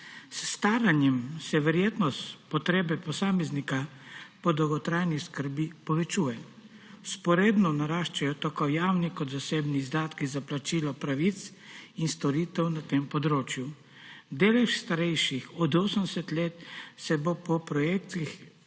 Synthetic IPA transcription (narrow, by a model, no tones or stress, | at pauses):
sːt̪aːɾanjɛmsɛʋɛɾjeːt̪nɔspɔt̪ɾeːbɛpɔsaːmɛznikapɔd̪ɔwɡɔt̪ɾaːjniskəɾbipɔʋɛt͡ʃuːjɛ | spɔɾeːd̪nɔnaɾaːʃt͡ʃajɔt̪akɔwjaːwnikɔd̪zaseːbnizd̪aːt̪kizaplat͡ʃiːlɔpɾaʋit̪s | inst̪ɔɾit̪ɛwnat̪empɔd̪ɾoːt͡ʃju | d̪elɛʃst̪aɾɛjʃixɔd̪oːsənd̪ɛsɛt̪leːt̪sɛbopɔpɾɔjeːkt̪ix